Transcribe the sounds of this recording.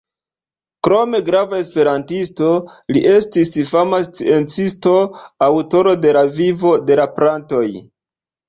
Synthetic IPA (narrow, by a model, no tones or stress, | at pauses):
kɾo̞me̞ɡɾavae̞spe̞ɾantisto̞liʔe̞stisfamast͡sie̞nt͡sisto̞awto̞ɾo̞de̞lavivo̞de̞lapɾanto̞j